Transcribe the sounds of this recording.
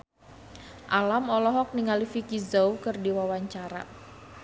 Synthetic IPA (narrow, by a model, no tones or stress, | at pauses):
ʔalamɔlɔɦɔk̚niŋalifikizoukɨrdiwawaɲt͡ʃaɾa̰